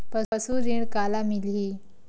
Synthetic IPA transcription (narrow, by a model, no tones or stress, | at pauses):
pəəsuɾiɳkalamilɦi